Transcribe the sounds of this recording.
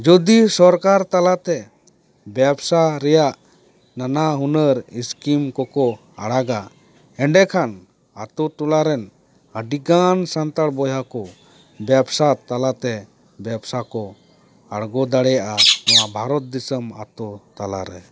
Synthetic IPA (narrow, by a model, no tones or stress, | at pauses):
d͡ʒɔd̪isɔɾkaɾt̪alat̪ɛ | bjɛbsaɾɛjaʔ | nanaɦunəɾiskimkɔkɔ | a̰ɽaɡa | ɛɳɖɛkʰan | at̪ɔt̪ulaɾɛn | əɖiɡansant̪aɽbɔjakɔ | bjɛbsat̪alat̪ɛ | bɛbsakɔ | aɽɡɔd̪aɽɛjaʔaɔwabʱaɾɔt̪̚d̪isəma̰t̪ɔt̪ala̰ɾɛ̰